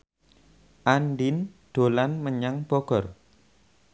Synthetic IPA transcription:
ʔanɖind̪̥olanməɲaŋb̥ɔɡ̥ɔr

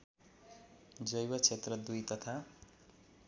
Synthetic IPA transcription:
d͡zʌjwʌt͡sʰet̪rʌd̪ujt̪ʌt̪ʰa

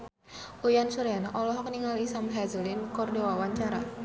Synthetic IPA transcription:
ʔujansuɾanɔlɔɦkniŋalisamɦazəlinkɔrdewawaɲt͡ʃaɾa

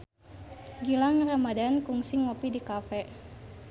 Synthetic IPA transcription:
ɡilaŋramadankuŋsiŋɔpidikafɛ

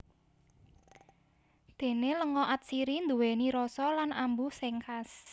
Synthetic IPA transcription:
d̪̥e̤neləŋɔʔat̪̚siɾind̪uweniɾɔsɔlanambusɛŋkas

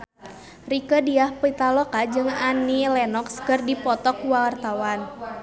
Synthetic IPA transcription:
rikədiahpit̪alɔkad͡ʒɨŋanilɛnɔkskɨrdipɔt̪ɔkuwawart̪awan

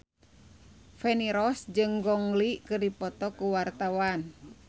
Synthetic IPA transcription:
fɛniɾɔsd͡ʒɨŋɡɔŋlikɨrdipɔt̪ɔkuwart̪awan

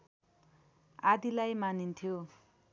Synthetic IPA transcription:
ad̪ilajmanint̪ʰjo

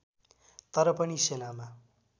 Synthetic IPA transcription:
t̪ʌɾʌpʌnisenama

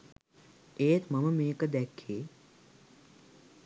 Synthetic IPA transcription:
eːt̪mɐməmeːkəd̪ɛkʰːeː

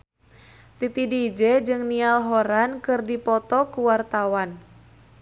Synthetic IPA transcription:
t̪it̪idid͡ʒɛd͡ʒɨŋnialɦɔɾankɨrdipɔt̪ɔkuwart̪awan

